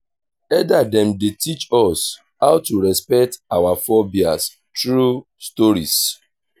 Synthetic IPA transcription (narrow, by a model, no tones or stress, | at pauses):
ɛdadɛmdetit͡ʃɔs | haʊtuɾɛspɛk̚tawafɔbia̰s | tɹu | stɔɾḭs